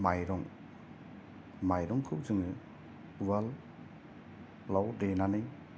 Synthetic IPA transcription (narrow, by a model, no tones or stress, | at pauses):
majɾɔŋ | majɾɔŋkʰɯwzɯŋɯ | wal | awdenanɯj